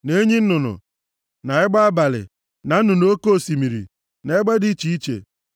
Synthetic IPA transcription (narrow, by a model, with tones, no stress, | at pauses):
ne˦ɲi˦n̩˦nʊ˨nʊ̰˨ | na˨ɪ˦ɡ͡ba˦a˦ba˨lɪ̰˨ | na˨n̩˦nʊ˨no˦ko˦o˦˨si˨mi˨ɾḭ˨ | na˨ɪ˦ɡ͡ba˦di˦t͡ʃi˦i˦t͡ʃḛ˨